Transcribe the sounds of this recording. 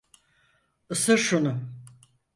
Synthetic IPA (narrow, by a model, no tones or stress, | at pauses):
ɯsɯɾʃunʊ